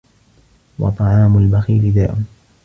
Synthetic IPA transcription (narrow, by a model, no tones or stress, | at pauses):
wɑ̰t̪ˤɑʕɑːmʊlbaxiːlɪd̪aːʔʊn